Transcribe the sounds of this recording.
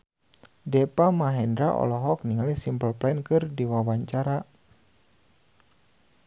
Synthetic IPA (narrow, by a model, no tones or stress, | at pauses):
dɛpamaɦɛndɾaʔɔ̰lɔɦɔk̚niŋalisimpəlplɛnkɨrdiwawaɲt͡ʃaɾa